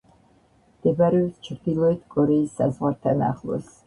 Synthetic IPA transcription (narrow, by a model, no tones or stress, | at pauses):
md̪̥ɛbɾɛɛt̪t͡ʃʰɾd̪ilˠɔɛt̪ʰkʼɔɾɛisːazʁwaɾt̪ʰana̰χlˠɔ̰s